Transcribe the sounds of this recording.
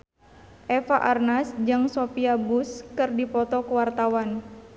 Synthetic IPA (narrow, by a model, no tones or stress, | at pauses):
ʔɛfaʔarnasd͡ʒaŋsopiabuskɨrdipɔt̪ɔkəwart̪awan